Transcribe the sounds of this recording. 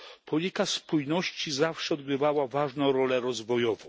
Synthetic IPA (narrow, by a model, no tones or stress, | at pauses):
pʰɔlʲikaspujnɔɕt͡ɕizafʂɛɔd̪ɡɾɘvawavaʐnɔ̃w̃ɾɔlɛɾɔzvɔjɔvɔ̃w̃